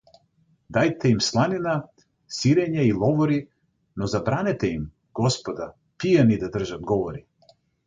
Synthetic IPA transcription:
d̪ajt̪ɛimslˠanina | siɾɛɲailˠɔvɔɾi | nɔzabɾanɛt̪ɛim | ɡ̥ɔspɔd̪a | pijanid̪ad̪r̩ʒad̪̚ɡɔvɔɾi

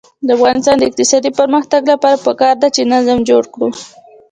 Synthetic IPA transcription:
d̪əafɣɑnɪst̪ɑnd̪əɪq̚t̪ɪsɑd̪ipəɾməxt̪aɡlapɑɾapəkɑɾd̪at͡ʃenazmd͡ʒoɽkɽu

